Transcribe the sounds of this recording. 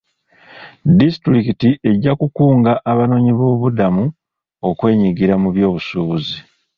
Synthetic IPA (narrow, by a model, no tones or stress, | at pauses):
distɾikitiʔe̞ɟːakukuːŋɡaʔːβano̞ːɲiβo̞ːβudamu | o̞kwe̞ːɲiɡiɾamuβjo̞ːβusuːβuzi